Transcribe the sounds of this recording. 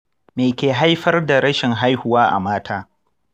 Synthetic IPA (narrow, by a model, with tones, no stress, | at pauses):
meː˨kʲeː˨ɦa˦jɸɐ˦rda˨ɾɐ˦ʃɪ˨ŋɦa˦jhʊ˨waː˦ʔa̰˨maː˦tʰaː˦